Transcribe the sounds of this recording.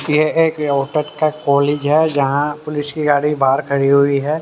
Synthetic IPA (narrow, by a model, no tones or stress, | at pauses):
jeeːkɔːʈəɾkakɔːleːd͡ʒɦɛːd͡ʒɐɦãpʊlɪskiɡaːɽ̤ibaːɾkʰɐɽiɦʊiɦɛː